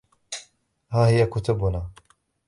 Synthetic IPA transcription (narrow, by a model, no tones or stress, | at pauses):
haːhɪjakʊt̪ʊbʊnaː